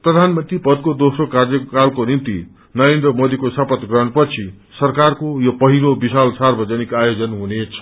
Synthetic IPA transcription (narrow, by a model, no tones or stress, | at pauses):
prʌd̪ʱanmʌnt̪ripʌd̪̚kod̪osrokard͡zʌkalkonint̪ḭ | nʌɾend̪rʌmod̪ikosʌpʌt̪ɡrʌnpʌt͡sʰi | sʌrkarkojopʌɦilobisalsarbʌd͡zʌnikajod͡zʌnɦunet͡sʰʌ̥